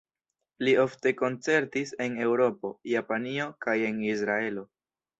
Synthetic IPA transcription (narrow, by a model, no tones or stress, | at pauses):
lio̞fte̞ko̞nt͡se̞ɾtise̞ne̞wɾo̞po̞japanio̞kaje̞nisɾae̞lo̞